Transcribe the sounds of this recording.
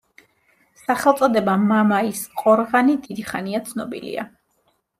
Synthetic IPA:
saχɛlˠt̪sʼɔd̪ɛbamamaisqʼɔɾʁanid̪id̪iχaniat̪sʰnɔbḭlḭa̰

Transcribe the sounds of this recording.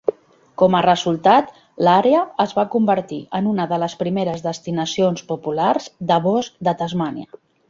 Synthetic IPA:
kɔmərəzulˠt̪at̪ | laɾeəəzβakumbəɾt̪iʔənunəðələspɾimeɾəzðəst̪inəsionspupularzd̪əβɔskd̪ət̪əzmaniə̰

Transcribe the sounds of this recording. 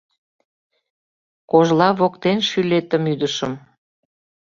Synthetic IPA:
koʒlɑβokt̪enʃylet̪əmyd̪əʃəm

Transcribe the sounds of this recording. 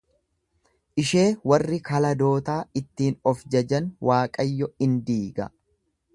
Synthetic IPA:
ʔɪʃe̞ːwɐrːɪkɐlɐd̪o̞ːt̪aːɪt̪ːiːnɔfd͡ʒɐd͡ʒɐnwʔaːkʼɐjːɔɪnd̪iːɡɐ̰

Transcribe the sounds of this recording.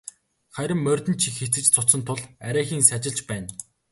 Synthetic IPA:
χæɾʲɪ̆mːœrʲt̪ɘ̆nt͡ɕʰixxet͡sɘ̆t͡ɕt͡sʰʊt͡sə̆nt̪ʰʊɮæɾʲæːxiːŋsat͡ɕɪ̆ɮt͡ɕpæːn

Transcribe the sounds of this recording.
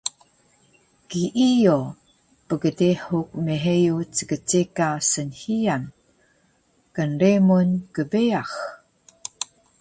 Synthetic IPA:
kiʔijo | pəɡədeħuk̚meɦejut͡səɡət͡sekasənhijan | kənɾemunkəbeax

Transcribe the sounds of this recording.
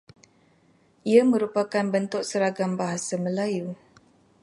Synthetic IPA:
ʔiamə̃ɾupakanbənt̪ʊk̚səɾaɡambaɦasamə̃laju

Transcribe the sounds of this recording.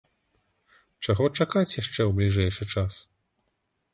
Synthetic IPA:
t͡ʂaɣɔt͡ʂakat͡sʲjaʂt͡ʂɛwblʲiʐɛjʂɨt͡ʂas

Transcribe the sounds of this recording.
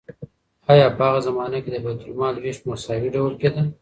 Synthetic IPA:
ɑjɑpəaɣazamɑnaked̪əbajt̪ʊlmɑlweʃmasɑwiɖawəlked̪əl

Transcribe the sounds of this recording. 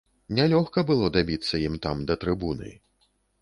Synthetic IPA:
nʲɛlʲɔxkɐbɨlˠɔd̪abʲit̪sːɐjimt̪amd̪ɐt̪ɾɨbunɨ̰

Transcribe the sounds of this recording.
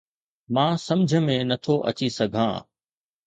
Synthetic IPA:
mãːsɐ̃md͡ʑʱə̆mẽnɐt̪ʰoʔɐ̰t͡ɕisɐɡʱã̰ː

